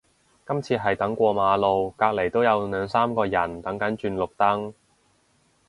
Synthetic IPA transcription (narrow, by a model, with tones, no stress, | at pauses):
kɐ˥mt͡sʰiː˧ɦɐ˨jt̪ɐ˨˥ŋkʷɔː˧maː˨˧lo˨˧wkaː˧k̚le˨˩jt̪o˥wjɐ˨˧wnœː˨˧ŋsaː˥mkɔː˧jɐ˨˩nt̪ɐ˨˥ŋkɐ˨˥nt͡ʃyː˧nlʊ˨k̚t̪ɐ˥ŋ